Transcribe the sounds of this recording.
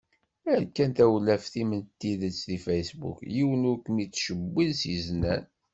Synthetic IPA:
æɾkːænt̪æwlːæfθimənt̪ːiðət͡sːðifæjsbṵkjiwənʊɾkmit͡sːʃəbːilsiznæn

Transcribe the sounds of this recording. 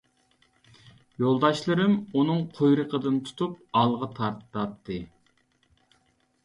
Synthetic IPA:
jolˠd̪ɑʃlˠɨɾɨmunɨŋqʰojɾəqʰəd̪ɨnt̪ʰu̥t̪ʰup̚ɑlˠʁɑt̪ʰɑɾt̪ːɑt̪ʰːɨ

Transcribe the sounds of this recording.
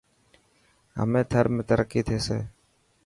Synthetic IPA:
ɦə̰mẽːt̪ʰəɾmẽːt̪əɾəkːiːt̪ʰeːsḛː

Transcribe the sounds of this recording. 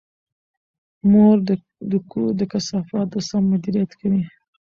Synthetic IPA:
moɾ | d̪əkud̪əkasɑfɑt̪̚d̪əsamːʊd̪iɾijat̪kawi

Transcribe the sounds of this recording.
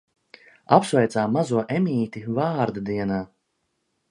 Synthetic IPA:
apsvɛjt̪saːmazuɔʔemʲiːt̪ʲivaːɾd̪ad̪iɛnaː

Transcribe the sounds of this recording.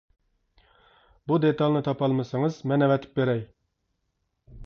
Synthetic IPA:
bud̪et̪ɑlˠnɪt̪ʰɑpɑlˠmɨsɨŋɨzmɛnɛvɛt̪ʰɪ̥p̚beɾɛj

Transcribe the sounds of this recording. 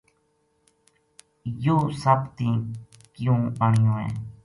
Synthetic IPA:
joːsəpt̪ĩː | kɪjũːəɳjõːḛː

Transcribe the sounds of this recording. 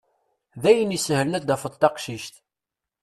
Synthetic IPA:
ðæjənisəhələnæd̪æfəd̪ˤt̪ːɑqʃiʃt̪

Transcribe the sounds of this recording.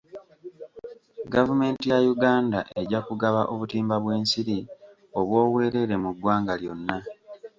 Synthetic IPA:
ɡavume̞ːntijajuɡaːndaʔe̞ɟakuɡaβaʔoβutiːmbaβwe̞ːnsiɾi | o̞βwo̞ːwe̞ːɾe̞ɾe̞muɡːwaːŋɡaljo̞nːa

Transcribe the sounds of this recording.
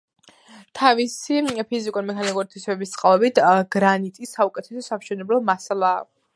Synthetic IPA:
t̪ʰavisipʰizikʼuɾimɛkʰanikʼuɾit̪ʰisɛbɛbist̪sʼqʼavɛbit̪ʰɡ̥ɾanit̪ʼisːaukʼɛt̪ʰɛsɛsamʃɛnɛblɔmasalˠaː

